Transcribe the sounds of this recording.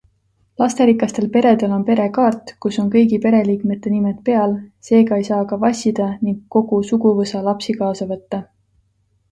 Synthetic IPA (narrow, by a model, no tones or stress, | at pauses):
lɑst̪eɾikːˑɑst̪e̞lpe̞ɾe̞d̪e̞lo̞npe̞ɾe̞kɑːrt̪kusːo̞nkɤ̞jɡipe̞ɾe̞liːkme̞t̪ˑːe̞nimet̪̚pe̞ɑlse̞ːɡɑe̞jsɑːkɑvɑsʲid̪̥ɑniŋɡkːo̞ɡ̥usuɡuvɤsɑlɑpsikɑːsɑvɤt̪ːɑ